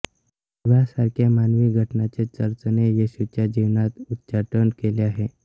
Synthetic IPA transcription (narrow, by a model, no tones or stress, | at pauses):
ʋasaɾkʰjamanʋiːɡʱəʈnat͡set͡səɾt͡sənejeɕut͡ɕjad͡ʑiʋnat̪ut̪t͡ɕaʈənkeleaɦe